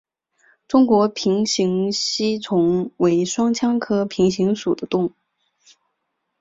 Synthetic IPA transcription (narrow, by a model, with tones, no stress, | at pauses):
ʈ͡ʂʊ˥ŋkwɔ˧˥pʰi˧˥ŋɕi˧˥ŋɕi˥t͡sʰʊ˧˥ŋwe˧˥ɪʂwɑ˥ŋt͡ɕʰjɑ˥ŋkʰɤ˥pʰi˧˥ŋɕi˧˥ŋʂu˨˩d̪ə˦t̪ʊ˥˩ŋ